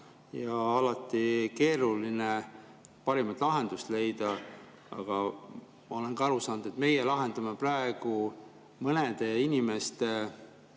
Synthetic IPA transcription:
jɑɑlɑt̪ːˑike̞ːɾuline | pɑɾimɑt̪ːˑlɑɦend̪ust̪le̞jd̪̥ɑ | ɑ̰ɡ̥ɑ | mɑo̞le̞nkɑɑɾusɑːnud̪̥e̞t̪me̞jelɑɦe̞nd̪̥ɑmeprɑeɡ̥u | mɤned̪̥e̞inʲime̞st̪e

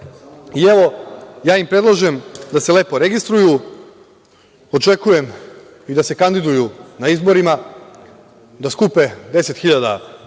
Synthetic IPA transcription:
ieʋo̞jaːimpɾe̞d̪lˠoʒemd̪ase̞le̞ːpo̞ɾe̞ɡist̪ɾuju | ot͡ʃe̞kuje̞m | id̪ase̞kand̪id̪ujunaizbo̞ɾima | d̪askupe̞d̪e̞se̞t̪xiʎad̪a

